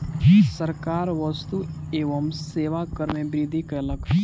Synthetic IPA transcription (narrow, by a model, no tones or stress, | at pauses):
səɾkaːɾʋəst̪ueːʋəmseːʋakəɾmẽbɾid̪ʱikələk